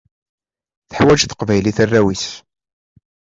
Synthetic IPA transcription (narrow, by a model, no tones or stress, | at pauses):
θəħwæd͡ʒθqvæjliθərːæwis